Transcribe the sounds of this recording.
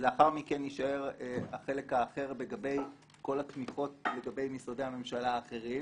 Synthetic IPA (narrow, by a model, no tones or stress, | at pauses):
zeaχaʁmikeniʃae̞ʁeaχe̞le̞kaːχe̞ʁbeɡabe̞j | ko̞latmiχo̞t̚le̞ɡabe̞jmisode̞ame̞mʃalaːχe̞ʁim